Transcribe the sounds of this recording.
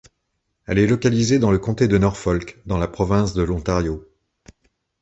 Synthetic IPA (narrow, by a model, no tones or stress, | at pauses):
ɛ̰lɛlɔkalized̪ɑ̃ləkɔ̃t̪ed̪ənɔʁfɔlkd̪ɑ̃lapχɔvɛ̃sd̪əlɔ̃t̪aʁjo